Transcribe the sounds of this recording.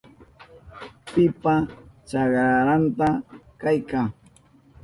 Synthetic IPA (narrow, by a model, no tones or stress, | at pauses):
pɪpat͡ʃaɢɾaɾant̪akajkaŋ